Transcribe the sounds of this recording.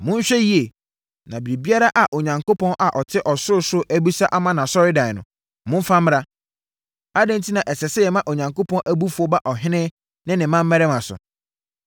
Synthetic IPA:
mʊ̃˦ɲ̩˦ɕᶣɛ˦ji˦e˨ | nã˨bɾi˨bi˦a˦ɾa˦ʔa˨ʔo˨ɲã˨ŋko˦pʰɔ̃˦nʔa˨ʔɔ˨tʰɪ˦ʔɔ˨sʊ˦ɾsʊ˦ʔæ˦bu˦sa˦ʔa˦mã˦nã˨sɔ˦ɾɪ˦dã˨nʊ̃˨ | mʊ̃˦fã˦mː˦ɾa˦ | a˦dɛ̃˦n̩˦tʰi˦nã˨ʔɛ˨sɛ˨sɛ˦jɛ˨mã˦ʔo˨ɲã˨ŋko˦pʰɔ̃˦nʔæ˦bu˦fu˨˦ɔ˦ba˦ʔɔ˨ɦɪ̃˦nɪ̃˦ | nɪ̃˦nɪ̃˨mã˦m̩ː˦ɛ˦ɾɛ˦mã˨sʊ̰˨

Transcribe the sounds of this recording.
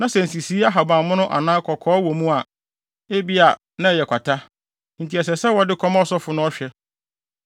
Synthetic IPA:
nã˦sɛ˨n̩˨si˨si˦a˦ɦa˨bã˨m˦mʊ̃˦nʊ̃˦ʔa̰˨nãː˦kʰɔ˨kʰɔː˨˦wɔ˨mũ˦a˨ | e˦bi˦a˨ | nã˦˨jɛ˨kʷʰa˨tʰa˦ | n̩˨tʰi˨ɛ˨sɛ˨sɛ˦wɔ˨dɪ˦kʰɔ˦mã˦ɔ˦sɔ˦fʊ˨nʊ̃˦ɔ˦ɕᶣɛ˦

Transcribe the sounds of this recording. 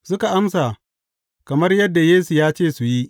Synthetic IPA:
sʊ˦ka˨ʔa˦msa˨ | kɐ˨mɐ˦rjɐ˦dːa˨jeː˦su˨jaː˦t͡ʃeː˦˨su˨ji˦ʔ

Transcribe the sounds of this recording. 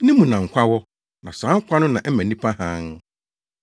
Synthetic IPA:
nɪ̃˦mũ˨nã˨ŋ̩˨kʷʰa˦wɔ˦ | nã˨sãː˨˦ŋ˦kʷʰa˦nʊ̃˦nã˨ʔɛ˦mæ̃˨nĩ˦pʰã˦hã˦n

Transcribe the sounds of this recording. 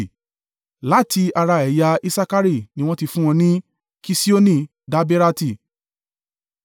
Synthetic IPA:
la˨˦ti˧a˧ɾa˧ɛ˨ja˧i˧sa˧ka˦ɾi˦˨nĩ˧w̃ɔ̃˦ti˧fũ˦w̃ɔ̃˧nĩ˦ | ki˧si˦o˦nĩ˦˨ | da˨˦be˦ɾa˧ti˦˨

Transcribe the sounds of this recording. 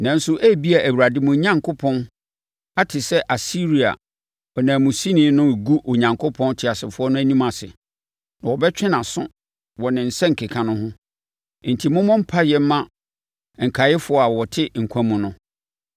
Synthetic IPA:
nã˨n˦sʊ˦ʔæ˦bi˦a˨ʔæ˨wu˨ɾa˨dɪ˦mʊ̃˨˦ɲã˦ŋkʰo˦pʰɔ̃˦n | a˦tʰɪ˨sɛ˦ʔa˨si˦ɾi˨a̰˨ | ɔ˨nãː˨mũ˨si˦nɪ̃˦nʊ̃˦˨ɡu˦ʔo˨ɲã˨ŋkʰʊ˦pʰɔ̃˦n˦tʰɪ˨a˨sɪ˨fʊ˦ɔ˦nʊ̃˦æ˦nĩ˦mã˨sɪ̰˨ | nã˨wɔ˨bɛ˦t͡ɕᶣɪ˦nã˨sʊ̰̃˦ | wɔ˨nɪ̃˨n̩˨sɛ̃˦ŋ̩˨kʰe˨kʰã˨nʊ̃˦ɦʊ̃˦ | n̩˨tʰi˨mʊ̃˦mʊ̃˦m̩˦pʰa˦jɛ˦m̩˦mã˦ | ŋ̩˨kʰa˨jɪ˦fʊ˨˦ɔ˦a˨wɔ˨tʰɪ˦ŋ̩˨kʷʰã˦mũ˨nʊ̃˦

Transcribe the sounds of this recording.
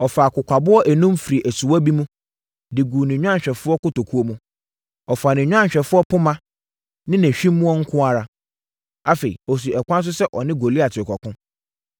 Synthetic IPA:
ɔ˨fa˨kʊ˨kʷʰa˨bʊ˦ɔ˦ʔæ˨nũ˦mfi˨ɾi˨ʔæ˨su˨wa˦bi˦mũ˦ | dɪ˨ɡuː˨nɪ̃˨ɲᶣ˦ã˦ɲ˨ɕᶣɛ˨fʊ˦ɔ˦kʊ˦to˨kʰu˦o˦mũ˦ | ɔ˨fa˨nɪ̃˨ɲᶣ˦ã˦ɲ˨ɕᶣɛ˨fʊ˦ɔ˦pʊ˦mã˦ | nɪ̃˦næ̃˨ɕᶣĩ˦mː˦ũ˦ɔ˦ŋ̩˦kʰʊ̃˦a˦ɾa˦ | a˦fe˨ḭ˨ɔ˨s̬i˨ɛ˨kʷʰã˦s̬ʊ˦sɛ˦ʔɔ˨nɪ̃˦ɡo˨li˦a˨tʰɪ˨kʰɔ˨kʊ̃˦

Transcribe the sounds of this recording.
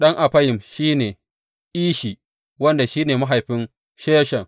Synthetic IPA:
ɗɐ˦ŋʔa˨ɸɐ˦jɪ˨mʃiː˦neː˨ | ʔiː˦ʃi˨ | wɐ˦nda˨ʃiː˦neː˨ma˦ɦa˨jɸɪ˦n | ʃeː˦ʃɐ˨ŋ

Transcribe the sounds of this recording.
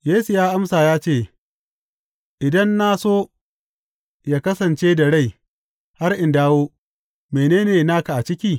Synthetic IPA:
jeː˦su˨jaː˦ʔa˦msaː˨jaː˦t͡ʃeː˦˨ | ʔɪ˨dɐ˦nːa˦soː˦ | jaː˦kɐ˦sɐ˨nt͡ʃeː˦da˨ɽa˦˨j | ha˦rʔɪ˨ndaː˦woː˦ | meː˨neː˦neː˨naː˦ka˨ʔa˨t͡ʃɪ˦kʲiː˦

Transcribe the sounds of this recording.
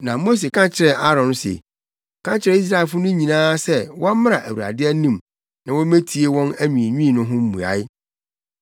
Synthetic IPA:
nã˨mo˦s̬e˨kʰã˦t͡ɕʰɪ˦ɾɛ˨ʔa˦ɾɔ̃˨n˦sḛ˨ | kʰã˦t͡ɕʰɪ˨ɾɛ˨i˦s̬ɾa˦˨ɛ˨lfʊ˦nʊ̃˦ɲĩ˨nãː˦sɛ˦wɔ̃˦mɪ̃˦ɾa˨ʔæ˨wu˨ɾa̰˨dɪ˦ɛ˦nĩ˦˨m | nã˨wɔ̃˦me˦tʰi˨e˦wɔ̃˦næ˦ɲĩ˨ɲᶣĩː˦˨nʊ̃˦ɦʊ̃˦m̩˦mṵ̃˨a̰˨˦ɪ˦

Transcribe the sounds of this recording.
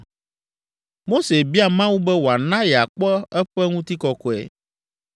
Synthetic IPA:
mo˦se˨bi˦a˨mã˦wu˦bɛ˦wo˨a˨nã˦jɛ˨a˨k͡pɔ˦ɛ˦ɸɛ˦ŋũ˦t̪i˦kɔ˦kɔ˨ɛ̰˨

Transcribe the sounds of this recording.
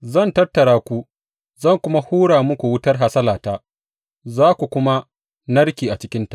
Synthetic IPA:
zɐ˦˨ntɐ˦rtːɐ˨ɽaː˦kʷu˦ | zɐ˦˨ŋkʷʊ˦ma˦huː˦ɽaː˨mʊ˦kʷu˨wʊ˦tɐ˦rɦa˨sɐ˦laː˨taː˦ | zaː˦kʷu˨kʷʊ˦ma˦ | nɐ˦ɽkʲiː˨ʔa˨t͡ʃɪ˦kʲɪ˦nta˨ʔ

